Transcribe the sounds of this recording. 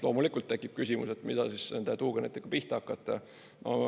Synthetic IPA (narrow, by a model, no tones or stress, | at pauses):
lo̞ːmulikˑult̪ːekːˑip̚kysʲimṵset̪mid̪̥ɑsissend̪et̪uːɡ̥ɑnet̪ːikːɑpiht̪ɑɑkːˑɑt̪ːˑɑ | no̰